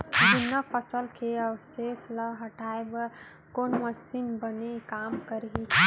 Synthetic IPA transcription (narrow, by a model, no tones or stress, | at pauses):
dunːəpʰəsəlkeəwseːsləɦəʈaːebə | koːnməsinbənekaːmkəɾɦi